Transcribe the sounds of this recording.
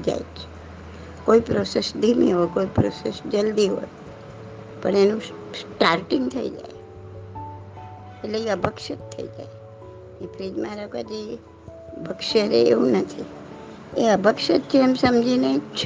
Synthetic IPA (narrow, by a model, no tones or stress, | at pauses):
d͡ʒa̰jt͡ʃʰe̥ | koipɾosesd̪ʱimḭɦokoipɾosesd͡ʒəld̪iɦo̰j | pəɳenũ | sʈaɾʈiŋɡt̪ʰəḭd͡ʒa̰j | etleəbəkʃət̪ʰːə̰ḭd͡ʒa̰e | epʰɾid͡ʒ̪mãɾəkʋad͡ʒi | bʱəkʃəɾḛḛũnət̪ʰi | eəbəkʃət̪̚t͡ʃʰeːmsəmd͡ʒinet͡ʃʰ